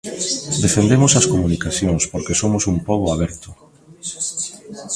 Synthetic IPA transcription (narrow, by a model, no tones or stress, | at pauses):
d̪efend̪emosɐskomunikaθjoŋspoɾkesomosumpoɣoaβ̞ɛɾt̪ʊ